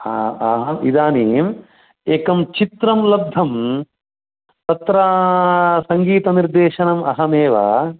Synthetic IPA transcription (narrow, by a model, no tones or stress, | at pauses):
aɐɦɐmid̪aːnim | eːkɐmt͡ʃit̪ɾɐmlɐb̚d̪ʱɐm | t̪ɐt̪ɾaːsɐŋɡiːt̪ɐniɾd̪eːʃɐnɐmɐɦɐmeːʋa̰